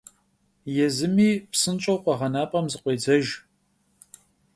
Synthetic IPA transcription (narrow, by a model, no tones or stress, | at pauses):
jɛzɨmiːpsɨnt͡ʃʼɐwqʷɔʁɐnaːpʼɐmzɨqʷeːd͡zɐʒ